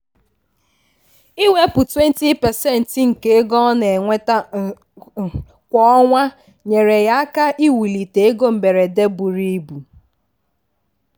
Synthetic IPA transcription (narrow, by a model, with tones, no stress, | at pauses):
i˦we˦pʊ˨twe˦n˦ti˦pɛ˨sɛ˦n̩˨tŋ̩˨ke˦e˦ɡɔ˦ne˨ŋʷe˦ta˦ | kʷɔ˦ŋʷa˦ | ɲe˨ɾe˨ja˦a˦ka˦ʔi˦wi˨li˨te˨e˦ɡo˦m̩˨be˨ɾe˨de˦bu˨ɾi˦bu˨